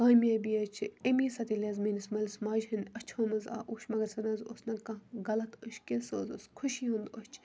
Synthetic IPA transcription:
kaːmjaːbiːɐt͡ʃʰemiːsɐt̪ilʲɐzmenismɐlsmaːʒɦɐnʲɐt͡ʃʰoːmɐza̰ːʔoːʃmɐɡɐɾsɐnɐnzo̰snɐkɐɡɐlɐt̪əʃkilsoːzoskʰʊʃiɦũnd̪ot͡ʃʰ

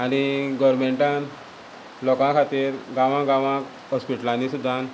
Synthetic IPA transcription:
aɽ̃iɡəɾmeɳʈãn | lɔkãkʰat̪iːɾɡãʋãɡãʋãk | ɦɔspiʈlãnisud̪ʱːãn

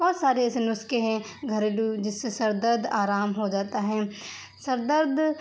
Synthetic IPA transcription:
bɔːt̪saːɾeɛːsenʊskeɦɛ̃ | ɡʱɐɾeːɖud͡ʒɪsːesɐɾd̪əɾd̪aːɾaːmɦod͡ʒaːt̪aɦɛː | sɐɾd̪əɾd̪

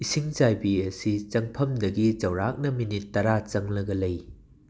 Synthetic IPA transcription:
isiŋd͡ʒajbiɐsit͡ʃɐŋpʰɐmdɐɡit͡ʃɐwɾak̚nɐminitːɐɾat͡ʃɐŋlɐɡɐlɐj

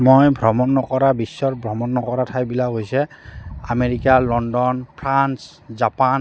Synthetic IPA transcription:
mojbʱɹɔmɔnːɔkɔɹabisːɔɹbʱɹɔmɔnːɔkɔɹatʰajbilakɦojsɛa̰meɹikalɔndɔnpʰɹans | zapan

